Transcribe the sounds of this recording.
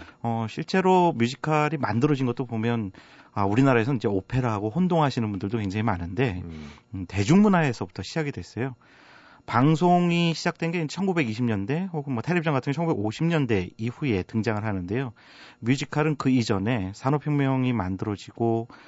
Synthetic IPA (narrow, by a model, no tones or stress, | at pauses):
ʌɕʰiɭt͡ɕ͈e̞ɾomjud͡ʑʰikʰaɾimandɯɾʌd͡ʑinɡʌt͈opomjʌn | ʌuɾinaɾae̞sʰʌind͡ʑe̞opʰe̞ɾɦaɡoɸondoŋɦaɕʰinɯnbundɯɭdokwe̞ŋd͡ʑaŋimanɯnde̞ | te̞d͡ʑuŋmunae̞sʰʌbu̥tʰʌɕʰid͡ʑaɡidwe̞s͈ʌjo | paŋsʰoŋiɕʰid͡ʑak̚t͈we̞nɡe̞ind͡ʑet͡ɕʰʌnɡube̞ɡiɕʰimɲʌnde̞hoɡɯnmwʌtʰaɾip̚t͡ɕ͈ʌŋɡatʰɯŋɡt͡ɕʰŋɡubeɡoɕʰimɲʌnde̞iɸue̞tɯŋd͡ʑaŋɯɭɦhanɯnde̞jo | mjud͡ʑʰikʰaɾɯnkɯid͡ʑʌne̞sʰanopʰjʌŋmjʌŋimandɯɾʌd͡ʑiɡ̥o